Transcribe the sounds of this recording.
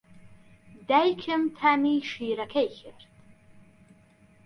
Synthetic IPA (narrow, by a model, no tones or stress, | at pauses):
dajkʲʰɨmtʰamiʂijrakʲʰajxʲɪrtʼ